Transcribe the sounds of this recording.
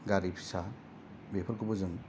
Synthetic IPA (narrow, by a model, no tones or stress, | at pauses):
ɡaɾipsa | bepʰɔɾkɯbɔzɯŋ